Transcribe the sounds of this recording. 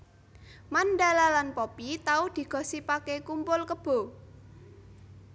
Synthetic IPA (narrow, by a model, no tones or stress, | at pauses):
manɖalalanpɔpit̪aʊhd̪̥i̤ɡ̥ɔ̤sipakekumpʊlkəb̥o̤